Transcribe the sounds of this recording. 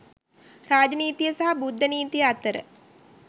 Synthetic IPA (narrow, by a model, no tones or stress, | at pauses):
ɾaːd͡ʒəniːt̪ijəsaɦabud̪ʱːəniːt̪ijəat̪ːəɾə̰